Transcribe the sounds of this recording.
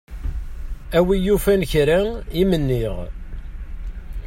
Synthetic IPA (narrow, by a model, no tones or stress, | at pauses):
æwijufænçɾæimənːiʁ